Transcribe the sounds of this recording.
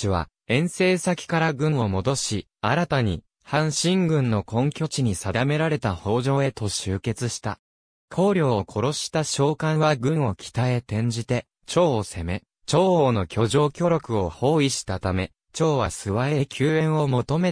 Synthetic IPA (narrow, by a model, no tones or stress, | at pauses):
iβa̰ | ẽ̞ɰ̃se̞ːsakʲi̥kaɾaɡɯ̟̃ɰ̃o̞mo̞d̪o̞ɕi | aɾat̪aɲ̟i | hãɰ̃ɕĩŋɡɯ̟̃nːo̞kõ̞ŋkʲo̞t͡ɕiɲ̟isad̪ame̞ɾaɾe̞t̪aho̞ːʑo̞ːe̞t̪o̞ɕɨːke̞t͡sɨɕi̥t̪a̰ | kʰo̞ːɾʲjo̞ːokʰo̞ɾo̞ɕi̥t̪aɕo̞ːkãɰ̃βaɡɯ̟̃ɰ̃o̞kʲʰi̥t̪ae̞t̪ẽ̞ɲ̟d͡ʑit̪e̞ | t͡ɕo̞ːse̞me̞ | t͡ɕo̞ːoːno̞kʲo̞ʑo̞ːkʲo̞ɾʲo̞kɯ̟o̞ho̞ːiɕi̥t̪at̪ame̞ | t͡ɕo̞ːβasɨβae̞kʲʰɨːẽ̞ɰ̃o̞mo̞t̪o̞me̞